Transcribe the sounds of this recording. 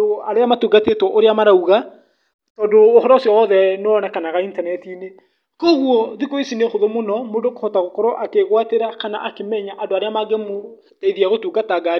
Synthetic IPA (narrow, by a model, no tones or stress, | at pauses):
oaɾeamatuːɡatetwɔʔoɾeamaɾauɣa | tɔdoːhɔɾɔsjɔwɔðɛnɔnɛkanaɣaintanɛtine | koɣwɔðikoisinexoðomonɔmodokohɔtaɣokɔɾɔʔakeɣwateɾakana̰ʔakemɛɲaʔadoaɾeamaɡɛmo | taiðiaɣotuːɡataɡaɾ